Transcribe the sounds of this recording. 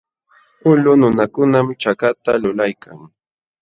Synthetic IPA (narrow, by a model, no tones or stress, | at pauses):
ʊlʊnʊnakʊnamt͡ʃakat̪alʊlajkʰaŋ